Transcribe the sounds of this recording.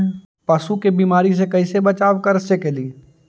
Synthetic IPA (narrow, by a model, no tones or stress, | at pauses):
pɐsukebiːmaːɾis̬ekɐɪsebɐt͡ʃaːʋkɐɾsekeli